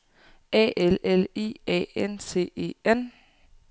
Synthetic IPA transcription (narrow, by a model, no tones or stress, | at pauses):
ɛ̰ːʔelelḭːɛ̰ensʰe̝̰ːe̝̰ːen